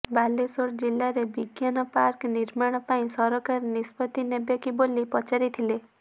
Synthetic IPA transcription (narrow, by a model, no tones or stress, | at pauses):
balesoɽd͡ʒilːaɾebiɡjanɔpaɾkniɾmaɽ̃ɔpaĩsɔɾɔkaɾnispɔt̪inebjɔkibolipɔt͡ʃaɾit̪ʰile